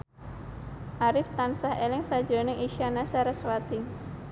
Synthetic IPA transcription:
ʔaɾɪft̪ansahelɪŋsḁd͡ʒo̤nɪŋʔiʃianasaɾəswat̪i

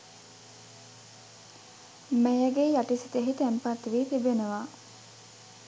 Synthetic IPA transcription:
mæjəɡeːjaʈisit̪eɦit̪ɛmpat̪ːʋiːt̪ibenəʋaː

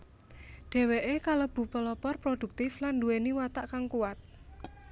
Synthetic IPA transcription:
ɖ̥e̤weʔekalob̥ṳpəlɔpɔrpɾod̥ṳk̚t̪ɪflanduweniwat̪aʔkaŋkuwat̪̚

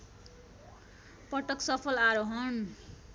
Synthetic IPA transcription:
pʌʈʌksʌpʰʌlaɾoɦʌn

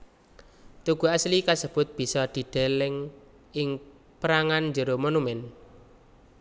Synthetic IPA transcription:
t̪uɡ̥ṳaslikasəb̥ʊ̤t̪̚b̥i̤sɔd̪̥i̤ɖ̪̥ɛ̤lɛŋ | ʔɪŋ | pɾaŋanɲd͡ʒəɾomɔnumɛn

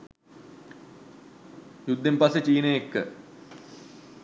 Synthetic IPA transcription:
jud̪ːempasət͡ʃiːnəjekːə

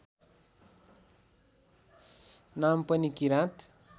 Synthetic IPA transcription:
nampʌnikiɾãt̪

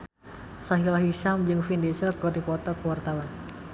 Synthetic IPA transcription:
saɦilaɦiʃamd͡ʒɨŋfindesərɡɔdipɔt̪ɔkwart̪awan

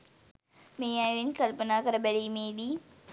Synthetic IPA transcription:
meːaːjʋɪnkɐlpɐnaːkɐɾɐbɐɾiːmeːdiː

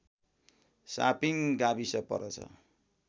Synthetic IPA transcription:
sa̰piŋɡabisʌpʌ̰ɾʌt͡sʰʌ̰

